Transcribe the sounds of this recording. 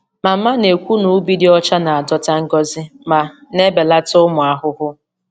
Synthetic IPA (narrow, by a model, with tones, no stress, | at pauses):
ma˨m̩˦ma˦ne˨kʷu˦nu˨˦bi˦di˦ɔ˦t͡ʃa˦na˨a˨dɔ˦ta˦ŋ̩˦ɡɔ˦zɪ˦ma˨ne˦be˨la˦tʊ˦mʊ˨a˨ɦʊ˦ɦʊ˦